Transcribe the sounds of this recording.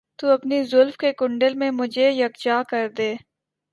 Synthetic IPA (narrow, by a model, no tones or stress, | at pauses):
t̪uɐpnizʊlfkekʊ̃ɳɖəlmẽmʊd͡ʒʱejɐkd͡ʒaːkɐɾd̪eː